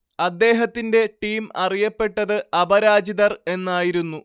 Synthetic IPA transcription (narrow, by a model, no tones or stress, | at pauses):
ɐd̪ːe̞ːɦɐt̪ːinde̞ʈiːmɐrijɐpːe̞ʈːɐðɨɐbɐɾaːd͡ʑiðɐre̞nːaːjiɾunːu